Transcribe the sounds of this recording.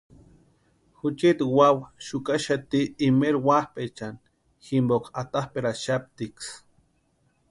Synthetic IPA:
xut͡ʃit̪wawʃukaʃat̪iːmeɾwahpet͡ʃan | ximbokʰat̪ahpeɾaʃap̚t̪iks

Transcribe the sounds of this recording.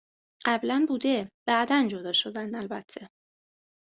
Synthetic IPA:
ɢ̥æblænbuːd̪eb̥æʔd̪ænd͡ʒod̪ɒːʃo̞d̪ænd̪ælbæt̪ʰːe̞

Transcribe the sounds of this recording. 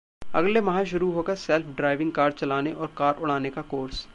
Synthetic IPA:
ɐ̰ɡlemɐɦãʃʊɾuɦoːkɐɾsɛːlfʰɖɾaːɪʋɪ̃ŋɡ̚kaːɾɖ̚t͡ʃɐlaːneʔɔːɾkaːɾʔʊɽaːnekakoːɾs

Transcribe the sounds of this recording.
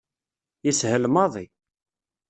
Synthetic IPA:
jishəlmɑðˤi

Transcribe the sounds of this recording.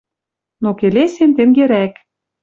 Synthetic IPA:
nokelesent̪eŋɡeɾæk

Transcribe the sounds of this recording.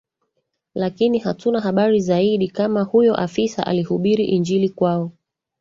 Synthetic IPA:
lakinihatunaɦaɓaɾizaiɗikamahujɔʔafisa̰ʔa̰lihuɓiɾiʔind͡ʒilikwaɔ

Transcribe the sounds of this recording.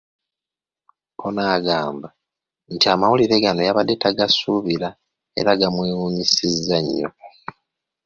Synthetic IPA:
onaːɡaːmba | ntiamawuliɾe̞ɡano̞jaβade̞tʰaɡasuβiɾa | e̞̰ɾaɡamweːwuɲisizːaɲːo̰

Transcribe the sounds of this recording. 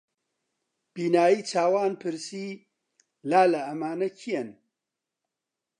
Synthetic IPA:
b̥iːnaːjiːt͡sʰaːwaːnpʰɨɾsiː | laːlɐɐmaːnɐcʰijɐn

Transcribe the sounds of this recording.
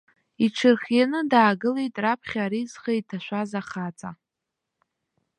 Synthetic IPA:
iʈ͡ʂʰɨrχanɨdaːɡɨlejtʼrapʰχʲaɾizχejtʰaʃʷazaχat͡sʼa

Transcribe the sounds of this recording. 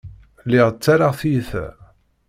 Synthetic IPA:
lːɪʁət͡sːaɾaʁθiθæ̰

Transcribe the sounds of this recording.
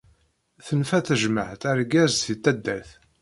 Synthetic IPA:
θənfæθəʒməħt̪æɾɡæzθit̪ːæd̪ːæθ

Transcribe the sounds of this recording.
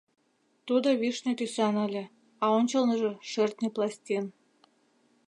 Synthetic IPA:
t̪ud̪oβiʃnet̪ysɑnɑlʲĕ | ɑonʲt͡ɕɤ̆lˠnɤ̆ʒĕʃĕrt̪neplˠɑsʲt̪ʲen

